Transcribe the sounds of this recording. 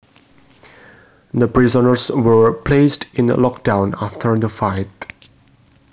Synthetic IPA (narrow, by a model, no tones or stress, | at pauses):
d̪əpɹizənəɹswəɹpʰlestɪ̃n̰lɔk̚dãʊ̃naftʰəɹd̪əfaɪt